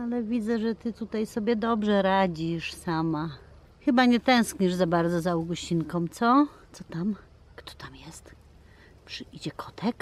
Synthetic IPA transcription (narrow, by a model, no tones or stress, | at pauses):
alɛvʲid̪zɛʐɛt̪ɘt̪ut̪ajsɔbʲjɛd̪ɔbʐɛɾad͡ʑiʂsama | xɘbaɲɛt̪ɛ̃w̃skɲɛʐzabaɾd̪zɔzauwɡɔɕt͡ɕinkɔ̃mt̪sɔt̪sɔt̪am | kt̪ɔ̥t̪amjɛst̪ | pʂɘid͡ʑɛkʰɔt̪ʰɛk